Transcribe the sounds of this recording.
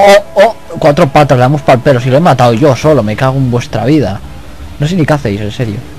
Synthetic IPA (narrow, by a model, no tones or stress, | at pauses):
oo | kwat̪ɾopat̪alaemospalpelosiloemat̪awʝo̞so̞lome̞kaɣembwe̞st̪ɾaβ̞iða | nos̬inikaθejsenseɾjo